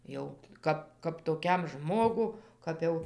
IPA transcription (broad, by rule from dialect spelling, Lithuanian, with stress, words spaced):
ˈjɛʊ ˈkɐp kɐp toːˈkʲɛm ˈʒmoːɡʊ ˈkɐp jɛʊ